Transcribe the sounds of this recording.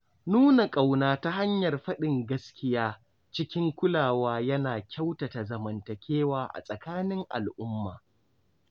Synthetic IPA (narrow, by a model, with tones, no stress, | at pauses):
nuː˦na˨kʼa˨wnaː˦ta˦ɦa˦ɲjɐ˨rɸɐ˦ɗɪ˨ŋɡɐ˦skʲɪ˦jaː˦ | t͡ʃɪ˦kʲɪ˦ŋkʷʊ˦laː˨waː˦jɐ˦naː˨kʲa˦wta˨ta˨zɐ˨mɐ˨ntɐ˨kʲeː˦waː˨ʔa̰˨sʼɐ˨kaː˦nɪ˦ŋʔa̰˨lʔʊ˦mːaː˨